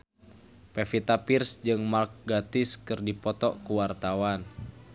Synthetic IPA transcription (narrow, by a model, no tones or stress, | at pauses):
pefit̪apirsd͡ʒɨŋmalk̚ɡat̪ɪskɨrdipɔt̪ɔkuwart̪awan